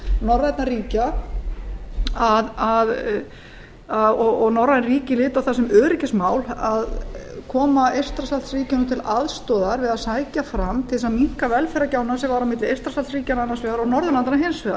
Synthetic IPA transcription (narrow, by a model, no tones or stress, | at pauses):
nɔrːaɛt̪nariːca | aðað | aðɔɣɔɣnɔrːaðɛnriːcɪlɪːt̪awθasɛmœːɾɪcɪsmaːwlaðkʰɔːmaejr̥st̪ɾasalt̪sriːcɪnʏt̪ʰɪlaðst̪ɔːðaɾvɪðaðsaːjcafɾamt̪ʰɪsamiŋ̥kavɛlfɛɾacaːwnasɛmvaɾawmɪt̪lɪejrst̪ɾasalsriːcananːasvɛɣaɾɔɣnɔɾðʏnlant̪anaɦensvɛɣa